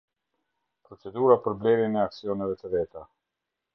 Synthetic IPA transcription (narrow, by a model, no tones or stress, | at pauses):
pɾɔt͡sɛd̪uɾapəɾblɛɾjɛnɛaksiɔnɛvɛt̪əvɛt̪a